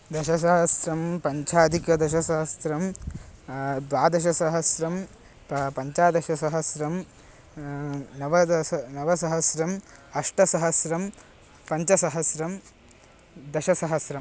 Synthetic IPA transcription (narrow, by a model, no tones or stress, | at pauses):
d̪ɐʃɐs̬ɐɦɐsɾɐmpɐɲt͡ʃʰaːd̪ʱikjɐd̪ɐʃ̬ɐsɐɦɐsɾɐm | d̪ʋaːd̪ɐʃ̬ɐsɐɦɐsɾɐm | ppɐɲt͡ʃaːd̪ɐʃɐsɐɦɐsɾɐm | nɐʋɐnɐʋɐsɐɦɐsɾɐmɐʂʈɐsɐɦɐsɾɐm | pɐɲt͡ʃɐsɐɦɐsɾɐm | d̪ɐʃɐsɐɦɐsɾɐm